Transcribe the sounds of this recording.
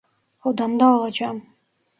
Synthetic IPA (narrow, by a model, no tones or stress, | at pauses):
od̪ɑmd̪ɑːlˠɑd͡ʒɑm